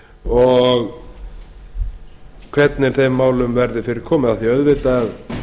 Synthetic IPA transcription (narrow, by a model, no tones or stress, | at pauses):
ɔɣ | kʰvɛt̪nɪɾ̥θejmːaːwlʏmvɛɾðɪfɪɾɪɾ̥kʰɔːmɪðaθiœðvɪt̪að